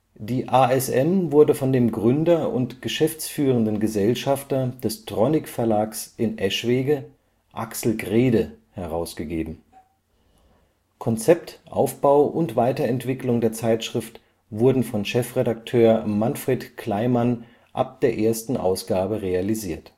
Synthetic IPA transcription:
d̥iːʔaːɛsʔɛmvʊɐdəfɔndeːmɡʁʏndɐʊ̰ntɡ̥əʃɛft͡sfyːʁəndənɡəzɛlʃaftɐd̥ɛsd̥ʁɔnɪkfɛɐlaːksʔɪnʔɛʃv̥eːɡə | ʔa̰ksl̩ɡʁeːdəhɛʁaʊsɡ̥əɡeːbm̩ | kʰɔnt͡sɛp̚tʔa̰ʊfb̥aʊʔʊntv̥aɪtɐɛntv̥ɪklʊŋdeːɐt͡saɪtʃʁ̥ɪft | vʊɐdn̩fɔnʃɛfʁ̥edaktʰøːɐmanfʁ̥eːtkʰl̥aɪman | ʔa̰p̚d̥eːɐʔeːɐstn̩ʔa̰ʊsɡ̥aːbəʁealiziːɐt

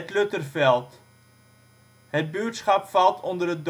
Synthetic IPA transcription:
ətlɵtərfɛlˠt | ɦət̚byətsχɑpfɑlˠtʰɔndərəd

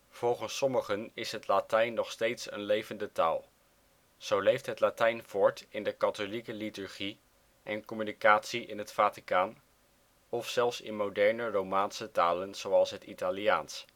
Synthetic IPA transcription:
v̥ɔlˠχənsɔməχənɪsɦətlatɛjnːɔχstejtsə̰nlejvəndəta̰ːlˠ | z̥owlejftɦətlaːtɛjnv̥ɔɹtɪndəkɑtolikəlitʉɹχi | ʔɛnkɔmynikaːtsiɪnɦətfaːtikaːn | ɔfsɛlˠfsɪ̰nmowdɛɹnərowmaːnsətaːlənz̥owɑlˠsɦətitalia̰ːns

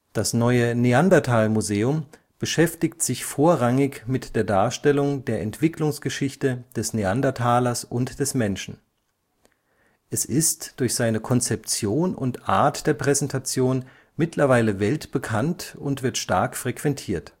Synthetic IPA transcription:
d̥asnɔʏəneandatʰaːlmuzeːʊm | b̥əʃɛftɪktz̥ɪçfoːɐʁaŋɪçmɪtd̥eːɐdaːɐʃtɛlʊŋdeːɐʔɛntv̥ɪklʊŋsɡ̥əʃɪçtəd̥ɛsneandatʰaːlɐsʔʊntd̥ɛsmɛnʃn̩ | ʔɛsɪstd̥ʊɐçz̥aɪnəkʰɔnt͡sɛp̚t͡sjoːnʊ̰ntʔa̰ɐtd̥eːɐpʁ̥ɛzɛntʰat͡sjoːn | mɪtʰlɐvaɪləvɛltb̥əkʰantʊntv̥ɪɐtʃtaɐkfʁ̥ɛkv̥ɛntʰiːɐt

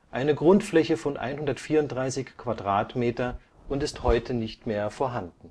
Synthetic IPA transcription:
ʔaɪnəɡʁʊntflɛçəfɔnʔa̰ɪnhʊndɐtfiːɐʊntd̥ʁaɪsɪçkv̥adʁaːtmeːtɐ | ʔʊntɪsthɔʏtʰənɪçtmeːɐfoːɐɦandn̩

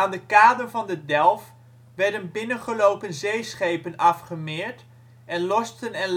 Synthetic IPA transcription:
aːndəkaːdəɹvɑndədɛlˠf | ʋɛɹdənbɪnənχəlowpənzejsχejpənɑfχəmɪːɹt | ɛnlɔstənɛnl

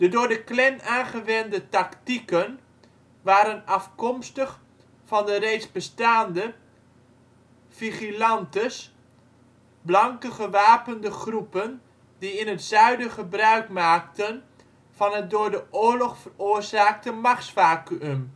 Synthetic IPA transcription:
d̥ədʊːɹdəklɛnaːnχəʋɛndətɑktikən | ʋaːɾənɑfkɔmstəχ | fɑndərejtzbəstaːndə | fiχilɑntəs | blɑŋkəχəʋaːpəndəχrupən | diɪnətsœɥdəχəbrœɥkmaːk̚tən | vɑnət̚dʊːɹdəʔoːɹlɔχfəroːrzaːk̚təmɑχsfaːkyøm

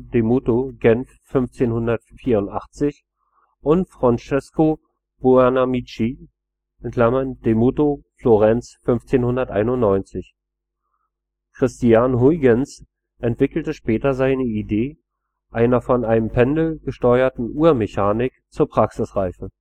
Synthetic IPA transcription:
d̥emutoɡɛnfːʏnft͡seːnhʊndɐtfiːɐʊntʔaχt͡sɪç | ʔʊntfʁ̥ant͡ʃɛsko | b̥uɛnamit͡ʃi | ʔɪntʰl̥amɐnd̥emuːtofloʁɛnt͡sfʏnft͡seːnhʊndɐtʔa̰ɪnʊnnɔʏnt͡sɪç | kʁ̥ɪstianhuɪɡəns | ʔɛntv̥ɪkl̩təʃpɛːtɐzaɪnəideː | ʔaɪnɐfɔnaɪnəmpʰɛndl̩ɡ̥əʃtɔʏɐtn̩ʔuːɐmɛçaːnɪkt͡suːɐpʁ̥aksɪsʁaɪfə

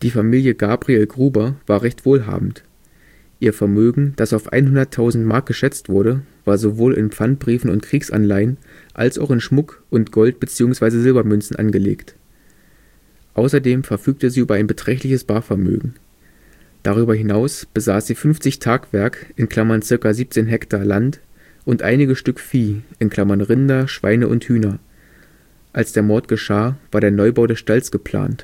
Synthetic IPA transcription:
d̥iːfamiːljəɡaːbʁielɡʁuːbɐvaːɐʁɛçtv̥oːlɦa̰ːbm̩t | ʔiːɐfɛɐmøːɡŋ̩d̥asaʊfʔa̰ɪnɦʊndɐtʰaʊzn̩tmaɐk̚ɡ̥əʃɛt͡stv̥ʊɐɾəv̥aːɐzovoːlɪ̰npfant̚b̥ʁiːfn̩ʊ̰ntkʁ̥iːksʔa̰nlaɪən | ʔa̰lsa̰ʊxɪnʃmʊkʔʊntɡ̥ɔlt̚b̥ət͡siːʊŋsv̥aɪzəzɪlbɐmʏnsn̩ʔa̰nɡəlḛːkt | ʔaʊsɐdeːmfɛɐfyːk̚təziːʔyːbɐaɪnbətʁ̥ɛçtlɪçəsb̥aːɐfɛɐmø̰ːɡŋ̩ | d̥aʁ̞yːbɐɦɪnaʊsb̥əzaːsz̥iːfʏnft͡sɪçtʰaːkv̥ɛɐkʔɪnkʰl̥amɐnt͡sɪɐkaziːp̚t͡seːnɦɛktʰaːlant | ʔʊntʔaɪnɪɡəʃtʏkfiːʔɪnkʰl̥amɐnʁɪndɐʃv̥a̰ɪnəʔʊ̰nthyːnɐ | ʔalsd̥eːɐmɔɐtɡ̥əʃaːvaːɐɾeːɐnɔʏbaʊdɛsʃtalsɡ̥əpʰl̥a̰ːnt

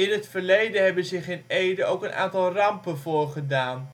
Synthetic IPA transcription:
ɪnɦətfəɹlejdəɦɛbənzɪχɪnejdəowkənʔa̰ːntɑlˠrɑmpənvoːɹχədaːn

